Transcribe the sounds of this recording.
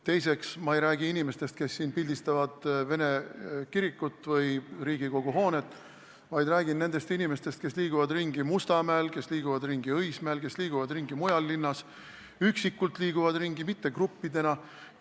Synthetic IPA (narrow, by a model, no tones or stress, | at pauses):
t̪e̞jseksmɑejɾæːɡiinime̞st̪e̞st̪̚ke̞sːiːnpild̪ist̪ɑvɑd̪̥ve̞ne̞kiɾikːut̪ːvɤjriːɡ̥iko̞ɡ̥uɦo̞ːne̞t̪ːˑ | vɑjd̪ræːɡinːe̞ne̞st̪inime̞st̪e̞st̪ke̞sliːɡuvɑd̪riŋɡimust̪ɑmæːlke̞sliːɡ̥uvɑd̪riŋɡiɤjsmæelke̞sliːɡ̥uvɑd̪riŋɡimujɑlːinːɑs | yksikːˑult̪ˑliːɡ̥uvɑd̪riŋɡimit̪ːe̞krupːid̪̥e̞nɑ